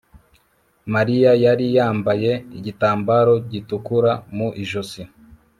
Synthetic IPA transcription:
maɾijajaɾijaːmbaje̞iɟitaːmbaɾo̞ɟitukuɾamuʔiʒosi

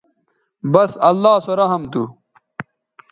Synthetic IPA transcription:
bɐsɐlːaːsoɾɐɦɐmt̪u

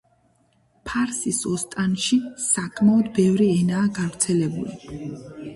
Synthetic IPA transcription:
pʰaɾsisɔst̪ʼanʃisakʼʰmaɔd̪bɛvɾiɛnaːɡavɾt̪sʰɛlɛbṵli

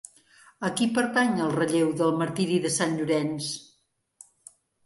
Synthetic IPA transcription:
əkipəɾt̪aɲəlˠrəʎewðəlˠməɾt̪iɾiðəsanʎuɾɛns

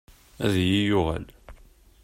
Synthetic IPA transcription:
æðjijʊʁæ̰l

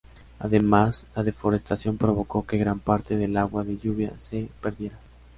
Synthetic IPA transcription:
a̰ðe̞maslaðe̞fo̞ɾe̞st̪asjo̞mpɾo̞β̞o̞ko̞ke̞ɣɾampaɾt̪e̞ðe̞laɣwaðe̞ʝuβ̞ja̰se̞pe̞ɾðje̞ɾa

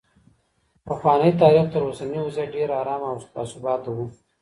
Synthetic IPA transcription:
pɐxwɑːnəit̪aːɾixt̪əɾoːsaniʊzaɖeɾaːɾɑːmawst̪aːsubɑːt̪awu

